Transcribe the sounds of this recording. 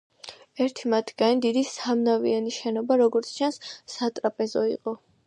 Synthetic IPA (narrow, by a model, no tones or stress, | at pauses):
ɛɾt̪ʰimat̪ʰɡ̥anid̪id̪isamnavḭaniʃɛnɔbaɾɔɡɔɾt̪sʰt͡ʃʰansːat̪ʼɾapʼɛzɔḭqʼɔ